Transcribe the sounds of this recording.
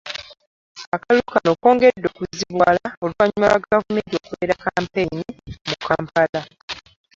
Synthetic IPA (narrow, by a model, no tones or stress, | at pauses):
akalukano̞ko̞ːŋɡedːokuziβwaːlaoluvaɲumaβaɡavumentiokuβe̞ːɾakaːmpe̞nimukaːmpala